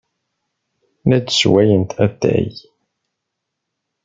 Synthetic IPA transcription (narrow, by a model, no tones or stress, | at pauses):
næd̪swæjənt̪ʰæθæ̰j